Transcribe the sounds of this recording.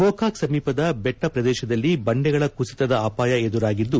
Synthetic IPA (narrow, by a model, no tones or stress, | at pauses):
poːkʰaːksɐmiːpɐd̪ɐbɛʈːɐpɾɐd̪ɛːʃɐd̪ɐlːibɐɳɖɛɡɐɭɐkusit̪ɐd̪ɐɐpaːjɐed̪uɾaːɡid̪ːu